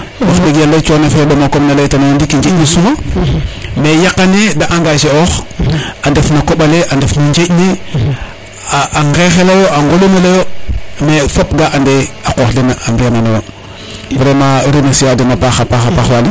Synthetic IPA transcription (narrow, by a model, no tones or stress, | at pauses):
waxbeɡalːet͡ʃonefejoɗomakomnalejtanajondikiɲd͡ʒeɟnisuma | mejakanedaʔaŋɡaʃeoxandefnakoɓaleʔandefnaɲd͡ʒeʔne | aʔaŋɡexelajoʔaŋɡolomelejomefop̚ɡaʔandeakoxdenaambijananowo | bɾemaɾinasiwademapaxapaxapaxwali